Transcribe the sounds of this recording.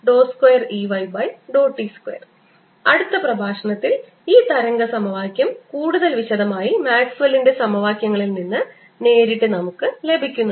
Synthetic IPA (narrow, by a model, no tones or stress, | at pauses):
ɖo̞ːskwjɐriʋɐjbɐjɖo̞ːʈːiskwḛjɐ̰r | ɐɽut̪ːɐprɐbʱaːʂɐɳɐt̪ːil | iːt̪ɐɾɐŋɡɐsɐmɐʋaːkʲjɐmkuːɽuðɐlʋiɕɐðɐmaːjimaːksʋɐlːinde̞sɐmɐʋaːkʲjɐŋːɐɭilninːɨ | ne̞ːɾiʈːɨnɐmukːɨle̞bʱikʲːunːu